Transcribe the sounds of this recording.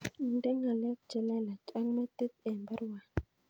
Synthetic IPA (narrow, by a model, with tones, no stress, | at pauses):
ndɛ˦ŋa˨lɛ˦k̚t͡ʃɛ˦lɛ˦la˨t͡ʃʼa˦ŋma˦t̪i˦t̪̚ɛ˨mba˦ɾwa˨